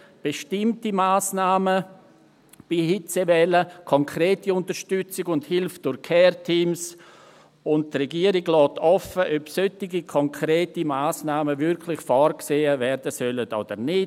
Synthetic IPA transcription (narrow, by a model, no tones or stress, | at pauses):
b̥eʃtɪmtimaːsnaːmə | b̥ihɪt͡sevɛːləkʰɔŋkʰɾeːtiʊntəɾʃtʏt͡sɪɡʊnthɪlfd̥ʊɾkʰɛːrtʰiːms | ʊnt̚trɛɡiːəɾiɡlɔːtʰɔfəʔœpsøtɪɡikʰɔŋkʰʁɾeːtimaːsnaːməvɪɾkʰlɪxfɔːɾkseːəvɛɾdəsœlətoːd̥əɾnɪ